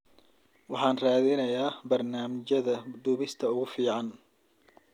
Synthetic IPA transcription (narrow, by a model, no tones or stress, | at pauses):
wɑħɑːnraːðɪnɐjaːbɐrnaːmɪt͡ʃɐðɐɖ̪uːβɪst̪ʰɐʊɣʊfiːʕɑn